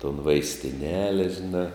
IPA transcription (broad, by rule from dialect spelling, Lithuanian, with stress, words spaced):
toːn ʋɐɪsʲtʲɪˈnʲæːlʲɛ ʒʲɪˈnɑː